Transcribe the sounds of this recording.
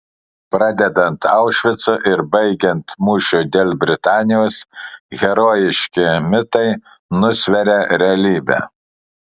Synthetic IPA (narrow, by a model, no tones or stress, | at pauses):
pɾɑd̪ʲɛd̪ɐnt̪ɑʊʃʲʋʲɪt̪sʊʔɪɾbɐɪɡʲɛnt̪muːʃʲud̪ʲeːlʲˠbʲɾʲɪt̪ɑːnʲɪjoːsɣʲɛɾoːjɪʃʲkʲɪmʲɪt̪ɐɪ | nʊsʲʋʲɛɾʲɛɾʲɛɐlʲiːbʲɛ̰